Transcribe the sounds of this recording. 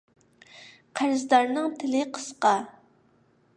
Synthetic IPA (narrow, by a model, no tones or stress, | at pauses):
qʰæɾzd̪ɑɾnɨŋt̪ʰɪlɪqʰə̥sqɑ